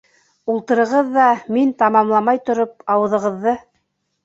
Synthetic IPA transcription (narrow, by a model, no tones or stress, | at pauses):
ulˠt̪ɤ̆ɾɤ̆ʁɤðːɑmint̪ɑmɑmlˠɑmɑjt̪ŏɾop̚ɑwɤ̆ðɤ̆ʁɤ̆ðːɤ